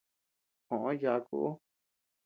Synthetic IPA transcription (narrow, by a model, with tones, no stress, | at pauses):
kõ˨ʔõ˦ja˧kṵ˦ʔo˦